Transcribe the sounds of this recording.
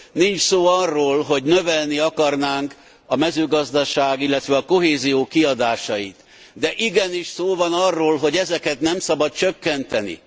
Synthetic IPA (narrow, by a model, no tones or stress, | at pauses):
nint͡ʃsoːɒrːoːlɦo̞ɟnø̞vɛlniɒkɒrnaːŋk | ɒmɛzøːɡɒzd̪ɒʃaːɡilːɛt̪ʋɛɒko̞ɦeːzijoːkiɒd̪aːʃɒjḭt̪ | d̪ɛʔiɡɛniʃsoːvɒnɒrːoːlɦo̞ɟɛzɛkɛt̪nɛmsɒbɒt̪̚t͡ʃøkːɛnt̪ɛnḭ